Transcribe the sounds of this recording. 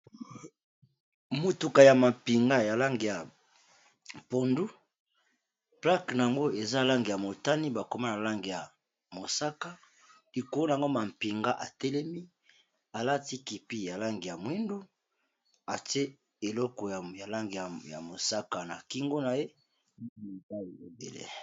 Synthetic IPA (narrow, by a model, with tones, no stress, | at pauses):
mu˨tu˨ka˨ja˨ma˨mpi˨ŋɡa˦ja˨la˦ŋɡi˨ja˨ | po˨ndu˦ | pla˦kna˨a˨ŋɡo˦e˨za˦la˦ŋɡi˨ja˨mo˨ta˦ni˦ba˨ko˨ma˦na˨la˦ŋɡi˨ja˨ | mo˨sa˦ka˦ | li˨ko˨lo˦na˨ŋɡo˦ma˨mpi˨ŋɡa˦ʔa̰˨tɛ˦lɛ˦mi˦ | a˨la˦ti˦ki˨pi˦ja˨la˦ŋɡi˨ja˨mwe˦ndu˦ | a˨te˦ | e˨lɔ˦kɔ˨ja˨la˦ŋɡi˨a˨ja̰˨mo˨sa˦ka˨na˨ki˦ŋɡo˦na˨je˦ | m˦˨ta˦i˨e˨bḛ˨lḛ˨